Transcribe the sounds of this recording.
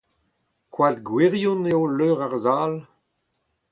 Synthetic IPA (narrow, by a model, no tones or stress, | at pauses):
kwadɡweʁjuneoløːʁaʁzaːl